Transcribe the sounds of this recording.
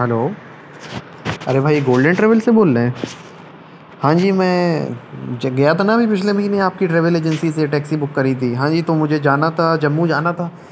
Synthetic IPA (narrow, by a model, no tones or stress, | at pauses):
ɦɛloː | ɐ̰ɾebʱaːiɡoːlɖə̃ɳʈɾɛːʋəlseboːlːẽɦɛ̃ː | hãːd͡ʒiːmɛ̃ː | d͡ʒɡɐjat̪ʰanabʱipɪt͡ʃʰlemɐɦiːneaːp̚kiʈɾeːʋəleːd͡ʒənsiseʈɛːksibʊkːɐɾit̪ʰiɦãːd͡ʒiːt̪omʊd͡ʒʱed͡ʒaːnat̪ʰad͡ʒɐmːũd͡ʒaːnat̪ʰaː